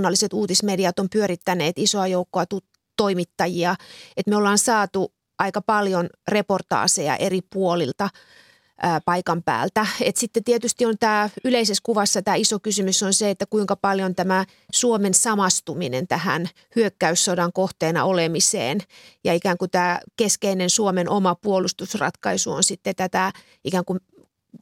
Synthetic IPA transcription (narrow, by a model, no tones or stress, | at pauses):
nːɑlːiset̪uːt̪ismediɑt̪ompyøɾit̪ːæneːt̪isoɑjoukːoɑt̪u | t̪oimit̪ːɑjiɑet̪meolːɑːnsɑːt̪u | ʔɑikɑpɑljonreport̪ɑ̰ːsejɑ̰ʔeripuolḭlt̪ɑ | ʔːpɑikɑmpæ̰ːlt̪æet̪sit̪ːet̪iet̪yst̪iont̪æːyleiseskuʋɑsːɑt̪æːisokysymysːonseet̪ːækuiŋkɑpɑljont̪æmæ | suomensɑmɑst̪uminent̪æhæ̰n | hyøkːæysːodɑŋkoht̪eːnɑ̰olemisḛːnjɑikæːŋkut̪æːkeskeinensuomenʔomɑpuolust̪usrɑ̰t̪kɑisuo̰nsit̪ːet̪æt̪æ | ʔikæːŋkum